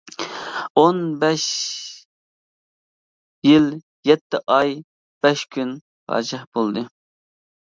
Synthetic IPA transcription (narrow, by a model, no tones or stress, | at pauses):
onbɛʃ | jil | jɛt̪ʰːɪʔɑj | b̥ɛʃkʲʰyn | pʰɑ̰ɾt͡ʃʰɛhb̥olˠd̪ɨ